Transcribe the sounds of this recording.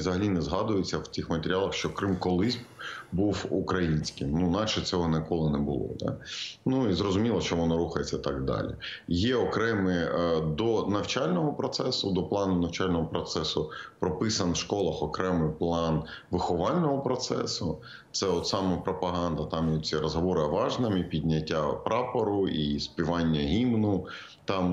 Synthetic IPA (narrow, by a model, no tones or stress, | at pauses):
zɐɦɐlʲinɛzɦɑd̪ʊjet͡sʲːɐwt̪ʲixmɐt̪eɾʲɪɑlˠɐxʃt͡ʃɔkɾɪmkɔlˠɪzʲbuwukɾɐjinʲsʲkɪmnunɑʃɛt͡sʲɔɦɔnɪkɔlˠɪnɛbʊlˠɔ̰d̪ɑ̰nuizɾɔzʊmʲilˠɐʃt͡ʃɔʋɔnɔɾuxɐjet͡sʲːɐt̪ɑɡd̪ɑ̰lʲḭjɛɔkɾɛmɪd̪ɔnɐwt͡ʃɑlʲnɔɦɔpɾɔt̪sɛsʊd̪ɔplˠɑnʊnɐwt͡ʃɑlʲnɔɦɔpɾɔt̪sɛsʊpɾɔpɪsɐnwʃkɔlˠɐxɔkɾɛmɪplˠɑnʋɪxɔʋɑlʲnɔɦɔpɾɔt̪sɛ̰sʊ | t̪sɛɔt̪sɑmɐpɾɔpɐɦɑnd̪ɐt̪ɑmjɔt͡sʲiɾɔzɦɔʋɔɾɪɐʋɑʒnɐmʲipʲidʲnʲɐtʲːapɾɑpɐɾʊispʲiʋɑnʲːɐɦʲimnʊ | t̪ɑm